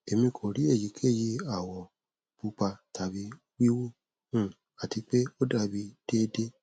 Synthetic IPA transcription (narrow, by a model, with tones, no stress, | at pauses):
e˨mĩ˧kʰo˨ɾi˨˦e˦˨ji˨˦kʰe˦˨ji˧a˦˨wɔ˨ | b̥u˧˦k͡pa˧ta˨bi˨˦ | wi˦wu˦ | ũ˦˨ | a˨ti˧k͡pe˦o˦da˦˧bi˧d̥e˦de˦